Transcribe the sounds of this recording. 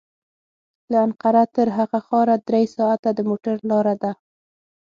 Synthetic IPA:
laanqaɾat̪əɾɦaɣaxɑɾad̪ɾejsɑat̪ad̪əmoʈaɾlɑɾad̪a

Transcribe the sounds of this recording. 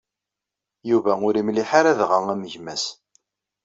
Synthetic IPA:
juvæʊɾimliħaɾæðʁaŋæməʝmæs

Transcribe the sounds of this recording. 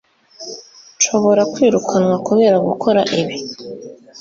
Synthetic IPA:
ʃo̞βo̞ɾakwiːɾukʰanwakoβe̞ɾaɡukʰo̞ɾaʔiβi

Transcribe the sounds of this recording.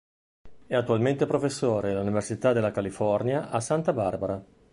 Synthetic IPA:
ɛat̪ːualment̪epɾofesːoːɾed̪elːuniversit̪ad̪elːakalifɔrnjaʔasant̪abarbaɾa

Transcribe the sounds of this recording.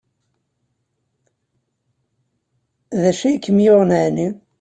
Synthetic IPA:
ðæʃijkːəmjoʁnəʕni

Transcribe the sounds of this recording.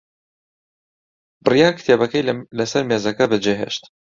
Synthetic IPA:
bɨrijaːkt̪ʰeːbɐkɐjlɐsɐɾmeːzɐkɐbɨd͡ʒeɦḛːʃt̪

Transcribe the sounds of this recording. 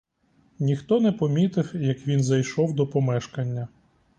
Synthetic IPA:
nʲixt̪ɔnɛpɔmʲit̪ɪfjɐkʋʲinzɐjʃɔwd̪ɔpɔmɛʃkɐnʲːɐ

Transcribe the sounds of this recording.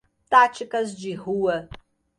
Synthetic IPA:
tʰʼaːt͡ʃʰɪkʼɐzd͡ʒiħuwɐ

